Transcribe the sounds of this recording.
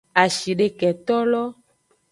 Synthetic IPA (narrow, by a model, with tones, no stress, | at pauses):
a˨ʃi˨ɖe˨˦kɛ˨t̪ɔ˦lɔ˦